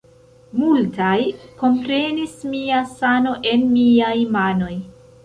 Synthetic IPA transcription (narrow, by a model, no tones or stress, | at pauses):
multajko̞mpɾe̞nismiasano̞ʔe̞nmiajmano̞j